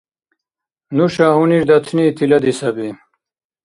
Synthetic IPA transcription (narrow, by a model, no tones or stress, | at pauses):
nuɕaɦuniʐd̪ɐt̪ʰnit̪ʰilɐd̪isɐbi